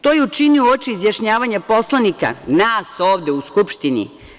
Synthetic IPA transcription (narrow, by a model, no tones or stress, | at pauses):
t̪ojeut͡ʃiniuot͡ʃiizjaʃɲaːʋaɲapo̞slˠanika̰naːso̞ːʋd̪euskupʃt̪inḭ